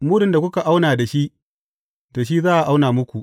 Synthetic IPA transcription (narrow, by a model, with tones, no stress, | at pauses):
muː˦dɪ˨nda˨kʷʊ˦ka˨ʔa˦wnaː˨da˨ʃi˦ʔ | d̥a˨ʃ̬i˦zaː˦ʔa˨ʔa˦wnaː˨mʊ˦kʷu˨ʔ